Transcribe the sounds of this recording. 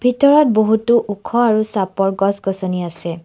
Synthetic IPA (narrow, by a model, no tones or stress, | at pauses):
bʱitɔɹɔt̚boɦutuʔukʰɔaɹusapɔɹɡɔsɡɔsɔniasɛ